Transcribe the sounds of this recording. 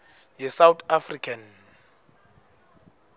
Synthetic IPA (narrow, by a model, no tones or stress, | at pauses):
jɛsawt̪ʰʼafrikʰan